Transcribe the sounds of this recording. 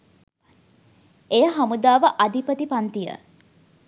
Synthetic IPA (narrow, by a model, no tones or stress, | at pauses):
ejəɦamud̪aːʋəʔad̪ʱipət̪ipant̪ijə̰